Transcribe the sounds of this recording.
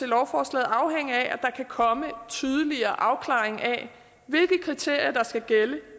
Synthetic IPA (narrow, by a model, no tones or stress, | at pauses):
t͡se̝lɒʊfɒːslɛ̰ːð̩ˠɑ̈ʊɦeŋ̰əæʔæd̥ɑ̈kʰækʰɒ̽mət͡sʰyːð̞ˠəliɐːʔɑ̈ʊkʰlɑ̰̈ːeŋʔæ | ʋe̝lɡ̥əkʰʁit͡sʰe̝ɐ̰jɐd̥ɑ̈sɡ̥æɡ̥elə